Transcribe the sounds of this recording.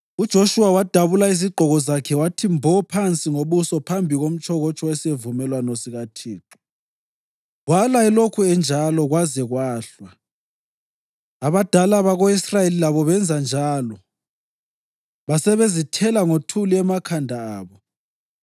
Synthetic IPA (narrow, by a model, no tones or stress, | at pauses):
ud̥ʒ̥ʱoʃuwawad̥ʱaβulaiziɡ͡ǃʱɔɣɔzakʰɛwatʰimbʱɔpʰant͡sʼiŋoβusɔpʰambʱiɣom̩t͡ʃʼʰɔɣɔt͡ʃʼɔɛsevumɛlwanɔsiɣatʰiːǁu̥ | ɣwalaɛlokʰuɛnd͡ʒʱalɔɣwazɛɣwaːɬwa | aβad̥ʱalaβaɣoisrajelilaβɔβɛnd͡zʱand͡ʒʱaːlɔ | βasɛβezitʰɛlaŋotʰuliɛmakʰandʱaaːβɔ